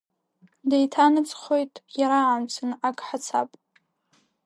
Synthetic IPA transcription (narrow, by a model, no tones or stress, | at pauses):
dejtʰanɨt͡sʼχo̞jtʼjaɾaʕːmt͡sʰɨnakʼħat͡sʰa̰pʼ